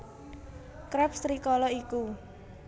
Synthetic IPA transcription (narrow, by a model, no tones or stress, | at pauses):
kɾɛpst̪ɾikɔlɔiku